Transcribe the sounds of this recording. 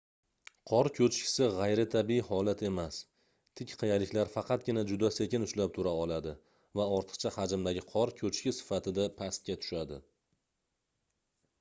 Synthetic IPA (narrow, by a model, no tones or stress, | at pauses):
qʰɒɾkʲʰɵt͡ʃkʲɪ̥sɪʁɑjɾɪt̪ʰabihɒlat̪ʰe̞mas | t̪ʰɪkʲqʰɨjalɪkʲlaɾfɑqʰɑt̪̚ɡʲɪnad͡ʒʊd̪ase̞kʲɪnʊʃlap̚t̪ʰʊɾaɒlˠad̪ɪ | vaɒɾt̪ʰɨ̥qt͡ʃʰahad͡ʒɪmd̪aɡʲɪqʰɒɾkʲʰɵt͡ʃʰkʲɪsɪ̥fat̪ʰɪd̪apʰast̪̚kʲat̪ʰʊ̥ʃad̪ɪ